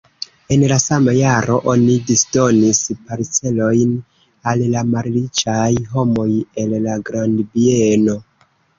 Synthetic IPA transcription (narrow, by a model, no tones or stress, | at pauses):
e̞nlasamajaɾo̞ʔo̞nidisdo̞nispaɾt͡se̞lo̞jn | allamaɾɾit͡ʃajɦo̞mo̞je̞lːaɡɾandbieeno̞